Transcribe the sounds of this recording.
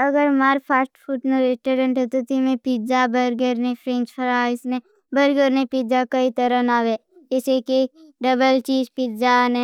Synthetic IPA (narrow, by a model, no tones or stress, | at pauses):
ɐɡəɾmaːɾpʰaːsʈpʰuʈneɾesʈoɾẽɳʈɦɛt̪ot̪imẽpid͡ʒabəɾɡəɾnepʰɾẽːnt͡ʃpʰɐɾaːɪsne | bɐɾɡəɾnepid͡ʒakɐit̪əɾə̃naːʋe | ɪsekiɖɐbəlt͡ʃiːd͡ʒpid͡ʒane